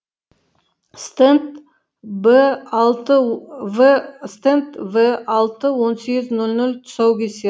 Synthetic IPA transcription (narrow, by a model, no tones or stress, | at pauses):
st̪ent̪ | blˠt̪əvst̪ent̪vəɑlˠt̪əwo̞nseɡʲɪznɵlʲnɵlʲt̪ʰʊ̥sɑwkʲese